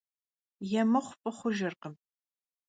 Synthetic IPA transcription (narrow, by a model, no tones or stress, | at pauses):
jɛmɐχʷʊpʼɨχʷʊʒɐrqəm